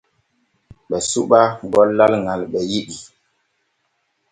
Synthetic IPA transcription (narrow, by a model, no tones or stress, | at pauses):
ɓɛsuɓaŋɡɔlːalŋalɓɛjiɗi